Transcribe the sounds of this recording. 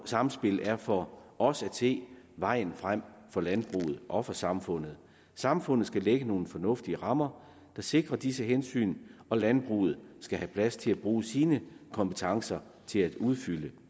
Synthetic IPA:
sɑ̈m̩sb̥e̝læɐfɒ̽ʔɒ̽sæd̥se̝̰ːʋɑ̈ɪ̰n̩fʁam̰fɒ̽lænb̥ʁṵːð̩ˠʔɒ̽fɒ̽sɑ̈mfɔ̽n̰ð̩ˠ | sɑ̈mfɔ̽n̰ð̩ˠsɡ̥æleɡ̥əno̝ːn̩fɒ̽nɔ̽fd̥iəʁɑ̈mɐ | d̥ɑ̈se̝ɡ̥ʁɐd̥is̬əɦensy̰ːnɒ̽lænb̥ʁṵːð̞̩ˠsɡ̥æhæpʰlæst͡sʰe̝læb̥ʁuːsiːnəkʰɒ̽mpə̥t͡sʰɑ̈ŋsɐ | t͡sʰe̝læd̥uð̞ˠfylə

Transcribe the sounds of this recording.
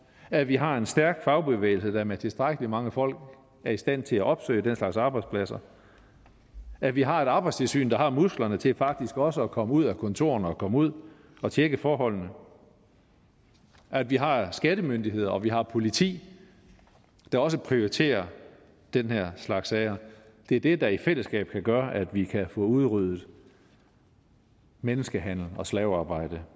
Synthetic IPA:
æʋiɦɑ̈e̝nsd̥æɐɡ̥fɑ̈ʊb̥e̝ʋḛːɪl̩səd̥æmet͡sʰe̝sd̥ʁaɡ̥əlimɑ̈ŋəfɒ̽l̰ɡ̥ | æɐisd̥æn̰t͡sʰe̝læʔɒ̽b̥sø̰ɪd̥enslɑ̈ɡ̥sɑ̈ːb̥ɑ̈ɪd̥spʰlæsɐ | æʋiɦɑ̈e̝ɾ̥ɑ̈ːb̥ɑ̈ɪst͡sʰe̝lsy̰ːnd̥ɑ̈hɑ̈musɡ̥lɐnət͡sʰe̝fɑ̈ɡ̥̚d̥isɡ̥ɒ̽səɒkʰɒ̽məuð̞̰ˠækʰɔ̽nt͡sʰo̝̰ːɐnəɒkʰɒ̽məuð̞̰ˠ | ɒ̽t͡ɕʰeɡ̥əfɒːɦɒ̽l̰nə | ʔæd̥ʋiɦɑ̈sɡ̥æd̥əmønd̥iɦe̝ð̞̰ˠɐɒ̽ʋiɦɑ̈pʰo̝lit͡sʰḭː | d̥ɑ̈ɒ̽s̬əpʰʁio̝it͡sʰe̝̰ːɐ | d̥enɦeɐ̰slɑ̈ɡ̥sɛɪɐ | d̥e̝æɐd̥e̝d̥ɑ̈ifel̰əsɡ̥ɛ̰ːb̥kʰæɡ̥ɶːɐʔæd̥ʋikʰæfɔ̽uð̞ˠʁyð̰ˠð̩ˠ | menəsɡ̥əɦæn̰l̩ɒ̽slɛːʊɑ̈ːb̥ɑ̈ɪ̰d̥ə

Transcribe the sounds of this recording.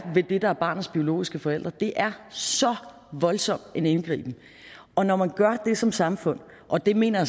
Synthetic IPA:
ʋe̝d̥e̝d̥ɑ̈æɐb̥ɑ̈ːnð̩ˠsb̥io̝lo̝̰ːisɡ̥əfɒ̽el̰d̥ʁɐd̥e̝ʔæɐsɒ̽ | ʋɒ̽lsɒ̽m̰d̥enenɡ̥ʁḭːb̥m̩ | ʔɒ̽nɒmænɡ̥ɶɐd̥e̝sɒ̽msɑ̈mfɔ̽n̰ | ʔɒ̽d̥e̝me̝̰ːnɐjɑ

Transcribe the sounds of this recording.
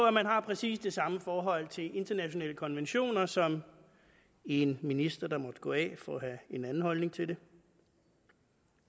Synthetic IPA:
æmænɦɑ̈pʰʁɛsḭːsd̥e̝sɑ̈məfɒːɦɒ̽l̰t͡sʰe̝le̝nd̥ɐnæɕo̝nɛ̰ːləkʰɒ̽nʋenɕo̝̰ːnɐsɒ̽m | e̝nminisd̥ɐd̥ɑ̈mɒ̽d̥ɡ̥ɔ̽ːɛ̰fɒɦæe̝nænn̩hɒ̽lne̝ŋt͡sʰe̝ld̥e̝

